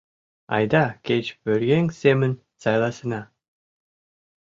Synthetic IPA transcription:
ɑ̰jd̪ɑkʲet͡ʃbɵɾɡʲeŋsemɘn | sɑjlˠɑsə̆nɑ

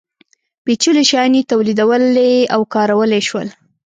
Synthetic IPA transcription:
pet͡ʃuleʃɑnit̪awlid̪awəleawkɑɾawəleʃwə̰l

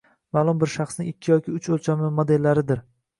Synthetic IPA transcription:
maːlˠʊmbɪɾʃaχsnɪŋɪkʲʰːɪjɒkʲʰɪʊt͡ʃʰolˠt͡ʃʰamɪmod̪e̞lːaɾɪd̪ɪɾ

